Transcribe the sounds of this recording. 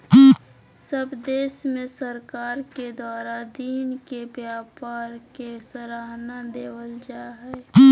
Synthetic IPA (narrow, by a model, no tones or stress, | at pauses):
səbd̪eːʃmẽsəɾkaːɾked̪waːɾad̪iːnkebjaːpaːɾkesəɾaɦnad̪eːwəld͡ʒaːɦɛ